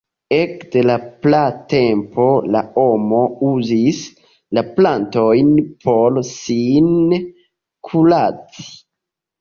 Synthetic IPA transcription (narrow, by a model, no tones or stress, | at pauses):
e̞kde̞laplate̞mpo̞lao̞mo̞uzis | laplanto̞jnpʰo̞lsin | kʰulat͡si̥